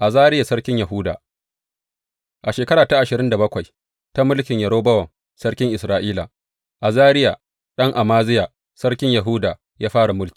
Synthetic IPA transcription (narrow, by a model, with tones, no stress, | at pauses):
ʔa˨zaː˦ɾɪ˦ja˨sɐ˦ɽkʲɪ˦ɲjɐ˨ɦʊː˦da̰ː˨ | ʔa˨ʃeː˨kɐ˦ɾaː˨ta˦ʔa˨ʃɪ˨ɾɪ˦nda˨bɐ˦kʷa˨j | ta˦mʊ˦lkʲɪ˨ɲja˨˦ɽoː˦bɐ˦wɐ˨ŋ | sɐ˦ɽkʲɪ˦ŋʔɪ˨sɾaː˦ʔiː˦la̰˨ | ʔa˨zaː˦ɾɪ˦ja˨ | ɗɐ˦ŋʔa˨maː˦zɪ˦ja˨ | sɐ˦ɽkʲɪ˦ɲjɐ˨ɦuː˦daː˨ | jaː˦ɸaː˦ɽa˨mʊ˦lkʲi̥˨